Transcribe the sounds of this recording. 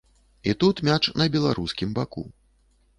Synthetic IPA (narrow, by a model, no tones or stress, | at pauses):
it̪ut̪mʲat͡ʂnɐbʲɛlˠaɾuskʲimbakṵ